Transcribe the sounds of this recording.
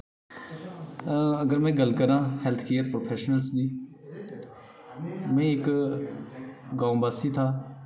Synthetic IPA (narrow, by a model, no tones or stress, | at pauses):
əɡəɾmɛ̃ːɡəlkəɾãːhɛlt̪ʰkiːjət̪̚pɾoːpʰeːʃnəlsd̪iː | mɛ̃ːɪk | ɡãːũbaːsiːt̪ʰaː